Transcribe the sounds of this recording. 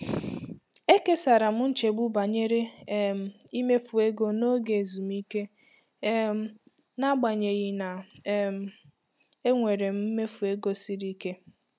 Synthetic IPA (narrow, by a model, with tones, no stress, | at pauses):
e˦ke˦sa˨ɾa˨m̩˦n̩˦t͡ʃe˨ɡ͡bu˦ba˨ɲe˦ɾe˦m̩˦i˦me˦fu˨e˦ɡo˦no˦ɡe˨zu˨m˦i˦ke˦ | m˦ | na˦ɡ͡ba˨ɲe˨ɣi˦na˨˦m̩˦ | e˦ŋʷe˨ɾe˨m̩˦m̩˦me˦fu˨e˦ɡo˦si˦ɾi˦ke˦